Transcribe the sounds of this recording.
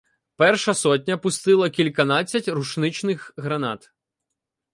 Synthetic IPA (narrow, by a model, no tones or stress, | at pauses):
pɛrʃɐsɔt̬̚ʲnʲɐpʊst̪ɪlˠɐkʲilʲkɐnɑt͡sʲːɐtʲruʃnɪt͡ʃnɪxɦɾɐnɑt̪